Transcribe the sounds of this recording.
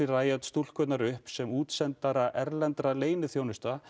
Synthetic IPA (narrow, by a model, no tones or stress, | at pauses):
ɪraːjat̪st̪ul̥kvœt̪naɾʏhpsɛmuːt̪sɛnt̪aɾaʔɛɾlɛnt̪ɾaleːjnɪθjoːwnɪst̪a